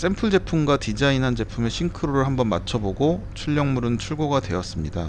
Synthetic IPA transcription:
s͈e̞mpʰɯɭd͡ʑe̞pʰumɡwatid͡ʑainɦand͡ʑe̞pʰume̞ɕʰiŋkʰɯɾoɾɯɭhambʌnmat͡ɕʰʌboɡot͡ɕʰuʎːʌŋmuɾɯnt͡ɕʰuɭɡoɡadwe̞ʌs͈ɯmɲida

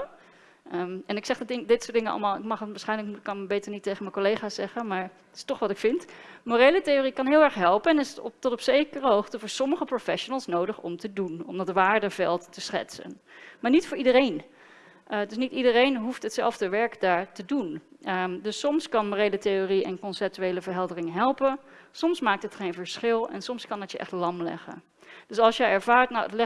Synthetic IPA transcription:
ɛnɪksɛχddɪŋdɪtsʊːdɪŋənɑ̰lˠmaːlˠɪkmɑχtʋaːsχɛjnləkkɑnbejtəɹnitejχənməkolejχaːsɛχənmaːɹ | tɪ̥stɔχʋɑtɪkfɪntmoɾejləteoːrikɑnɦɪːlˠɛɹχɦɛlˠpənɛnɪstɔtɔpsejkərəɦowχtəvʊːɹsɔməχəprofɛʃonəlˠsnowdəχɔ̰mtədunɔ̰mdɑtʋaːɹdəvɛ̰lˠtːəsχɛ̰tsə̰n | maːɹnitfʊːɹidəɾejn | dɵs̬nitidərejnɦuftɦətsɛ̰lˠvdəʋɛɹkdaːɹtədun | dɵsːɔmskɑnmorejlətejoriɛ̰nkɔnsɛp̚tyejləvəɹɦɛlˠdərɪŋɦɛlˠpən | sɔmsmaːk̚tɦətχejnvəɹsχɪlˠɛ̰nsɔmskɑnətjəʔɛ̰χtlɑmlɛ̰χə̰n | dɵsɑlˠsʃjəjɛɹvaːɹtna̰wətlɛ

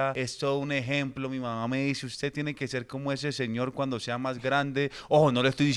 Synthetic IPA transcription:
ae̞st̪oune̞xe̞mplo̞mimamame̞ðiseust̪e̞t̪jene̞ke̞se̞ɾko̞moe̞s̬e̞se̞ɲo̞ɾkwand̪o̞se̞amazɡɾand̪e̞ono̞loest̪o̞jd̪is

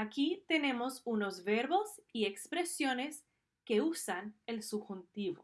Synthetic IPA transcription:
akit̪ene̞mo̞sunozβeɾβo̞siekspɾesjo̞nes | keusanelsuxunt̪iβo̰

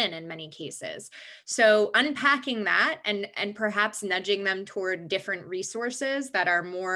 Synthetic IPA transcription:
ɨ̃nɨ̃nmɛñikʰeɪsɪ̰z̥ | soʊʔʌ̃npʰækɪ̃ŋðæt̚ɨ̃nʔɨ̰̃npʰə˞ɦæpsnʌd͡ʒɪ̃ŋðɨ̃mtʰɔɹddɪfɹɨ̃nʔɹisɔɹsɪzðɨɾə˞mɔ

